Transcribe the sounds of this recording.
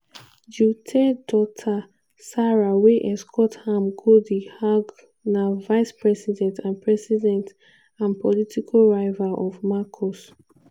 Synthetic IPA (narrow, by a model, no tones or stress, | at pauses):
d͡ʒutʰɛdɔtʰa | saɹaweʔɛskʰɔthamɡodihaɡ | navaɪspɹɛsidɛ̃ntʰãnpʰɹɛsidɛ̃nt | ãnpʰɔlitʰikʰaɹaɪvaʔɔvmakʰɔs